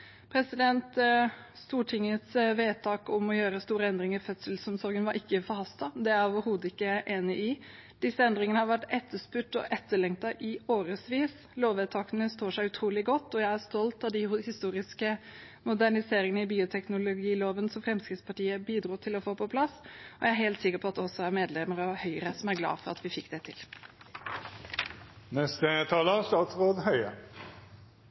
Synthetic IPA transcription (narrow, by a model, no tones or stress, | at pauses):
pʰɾɛsɪd̪ɛnt̪ | st̪uːʈʰɪŋːət̪sʋeːt̪ʰɑːkʊmɔjøːɾəst̪uːɾəɛnd̪ɾɪŋəɾfœt̪səlsɔmsɔɾɡənʋɑɾʔɪkːəfɔɾhɑst̪ɑd̪ɛæɾoːʋəɾhuːd̪əɪkːəʔeːnɪʔɪ | d̪̥ɪsːəɛnd̪ɾɪŋənəhɑɾʋæʈːɛt̪ʰːəʂpʉʈːɔ̰ʔɛt̪ːəɭɛŋt̪ɑʔɪoːɾəsʋiːs | loːʋeːt̪ʰɑːkənəst̪oːʂæɪʉt̪ʰɾuːlɪɡɔt̪ːɔjæɪæst̪ɔlt̪ɑʋd̪ɪhɪst̪uːɾɪskə | mʊd̪æɳɪseːɾɪŋənəɪbiːʊt̪ʰɛknʊlʊɡiːloːʋənsɔmfɾɛmskɾɪt̪spʰɑʈiːəbiːd̪ɾuːt̪ʰɪlɔfoːpʰɔpʰlɑsːɔæɪæɾɦɛːlt̪sɪkːəɾpʰɔɑt̪d̪ɛɔsːɔæɾmeːd̪lɛməɾɔhœʏəɾəsɔmæɾɡlɑ̰ːfɔɾɑ̰t̪ʋɪfɪkːd̪ɛt̪ʰɪ̰l | nɛst̪ət̪ʰɑːləst̪ɑːt̪sʁoːd̪hœʏə̰